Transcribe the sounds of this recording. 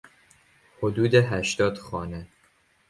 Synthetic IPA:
hod̪uːd̪eɦæʃt̪ɒːd̪̥xɒːne̞

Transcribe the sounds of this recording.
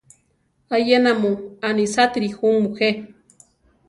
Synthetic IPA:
ajenamuanisat̪ɾixumuxe

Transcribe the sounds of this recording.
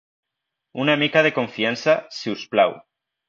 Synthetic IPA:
unamikað̞e̞ko̞ɱfiansaseusplaw

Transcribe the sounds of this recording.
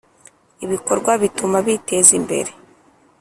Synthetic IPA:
iβiko̞ɾɡwaβitumaβite̞ːzimbe̞̰ɾe̞

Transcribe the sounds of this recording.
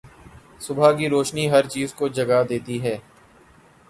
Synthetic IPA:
sʊbʱak̬iɾoːʃniɦɐɾt͡ʃiːzkod͡ʒɐɡad̪eːt̪iɦɛː

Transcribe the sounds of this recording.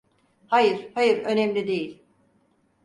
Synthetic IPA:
hajɯɾ̥hajɯɾø̞nɛmlʲid̪e̞jilʲ

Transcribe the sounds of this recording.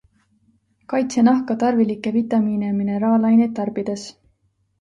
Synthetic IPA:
kɑjt̪senɑhkɑt̪ɑrvilikːˑe̞vit̪ːˑɑmiːnemineɾɑːlɑjnet̪ːɑrb̥id̪̥e̞s

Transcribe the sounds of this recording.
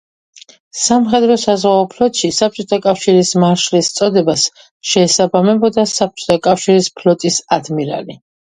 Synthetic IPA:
samχɛd̪ɾɔsazʁaɔpʰlɔt̪ʼʃisap̚t͡ʃʼɔt̪ʰakʼafʃiɾismaʃlist̪sʼɔd̪ɛbas | ʃɛːsabamɛbɔd̪asap̚t͡ʃʼɔ̥t̪ʰakʼafʃiɾispʰlɔt̪ʼisad̪miɾa̰li

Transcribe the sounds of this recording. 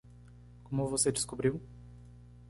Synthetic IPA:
komuvosed̪ɪskubɾiw

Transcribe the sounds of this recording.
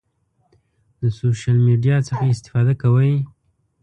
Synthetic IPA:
d̪əsoʃjalmeɖijɑt͡səxaɪst̪ɪ̥fɑd̪akawəj

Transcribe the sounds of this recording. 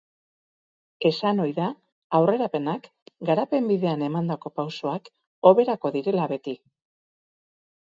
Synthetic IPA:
e̞sano̞jða | awre̞ɾape̞nak | ɡaɾape̞mbiðe̞ane̞mand̪ako̞pawso̞ak | o̞βe̞ɾako̞ðiɾe̞laβe̞t̪i

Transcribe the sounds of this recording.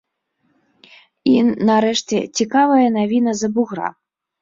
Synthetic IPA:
inɐɾɛʂt͡sʲɛ̰t͡sʲikavɐjɐnavʲinɐzɐbuɣɾa̰

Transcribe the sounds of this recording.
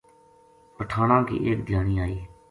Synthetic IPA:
pəʈʰaːnãːkḭːʔeːk̚d̪ʱjaːniːaːiː

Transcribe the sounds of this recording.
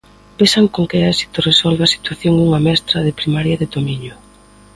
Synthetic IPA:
pesaŋkoŋkeɛsi̥t̪oresolβeɐsi̥t̪waθjoŋuŋɐmɛst̪ɾɐðɪpɾimaɾjɐðeɪt̪omiɲʊ

